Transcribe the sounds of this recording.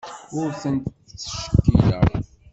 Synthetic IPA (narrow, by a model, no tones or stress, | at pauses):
ʊɾθənt̪ | t͡sːə̥ʃə̥kːijə̰ɾ